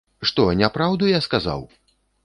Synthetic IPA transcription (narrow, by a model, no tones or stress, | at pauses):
ʂt̪ɔnʲapɾawd̪ujaskaza̰w